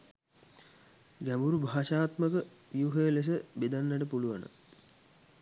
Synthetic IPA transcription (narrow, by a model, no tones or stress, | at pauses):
ɡæmbuɾubʱaːʃaːt̪məkə | ʋjuɦəjəles̬əbed̪anːaʈəpuluʋanə̰